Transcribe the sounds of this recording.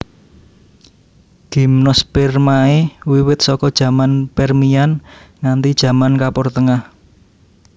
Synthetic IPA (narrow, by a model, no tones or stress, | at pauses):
ɡ̥i̤mnɔspɛrmaewiwɪt̪̚sɔkɔd̥ʒ̥ä̤manpɛrmianŋant̪id̥ʒ̥ä̤mankapɔrt̪əŋah